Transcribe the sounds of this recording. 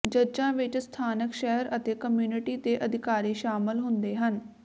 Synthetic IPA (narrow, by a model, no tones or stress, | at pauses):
d͡ʒəɾd͡ʒãːʋɪt͡ʃst̪ʰaːnəkʃɛːəɾət̪eːkəmjuːnɪʈiːt̪eːʔəd̪ɪkaːɾiːʃaːmɪlɦʊnd̪eːɦən